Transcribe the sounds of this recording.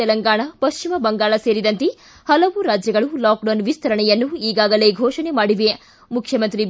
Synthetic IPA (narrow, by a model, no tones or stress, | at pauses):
ɛlɐŋɡaːɳɐpɐʃt͡ʃimɐbɐŋɡaːɭɐseːɾid̪ɐnt̪e | hɐlɐʋuɾaːd͡ʒjɐɡɐɭulaːk̚ɖɐnʋist̪ɐɾɐɳɛjɐnːuiːɡaːɡɐleːɡʱɔːʂɐnemaːɽiʋe | mukʰjɐmɐnt̪ɾi